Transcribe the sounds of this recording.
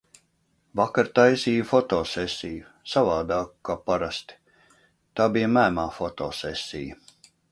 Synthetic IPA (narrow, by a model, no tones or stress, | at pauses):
vakaɾt̪ajsiːjfɔt̪ɔːsesʲiju | savaːd̪aːku̥kaːpaɾast̪i̥ | t̪aːbijamæːmaːfɔt̪ɔ̰ːsɛsʲːḭjə